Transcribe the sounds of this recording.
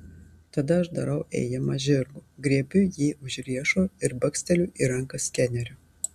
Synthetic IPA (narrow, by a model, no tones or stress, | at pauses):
t̪ɐd̪ɐɐʃd̪ɐɾɐʊʔɛ̰ːjɛmɐʒʲɪɾɡuːɡɾʲiɛbʲʊjiːʊʒʲɾʲiɛʃoːɪɾbɐksʲt̪ʲɛlʲuːʔiɾɐŋkɐskʲɛnʲɛɾʲʊ